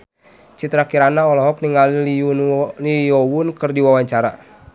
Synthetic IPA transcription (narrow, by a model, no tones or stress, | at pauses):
t͡ʃit̪ɾakiɾanaɔlɔɦɔk̚niŋaliliulijɔwunkɨrdiwawaɲt͡ʃaɾa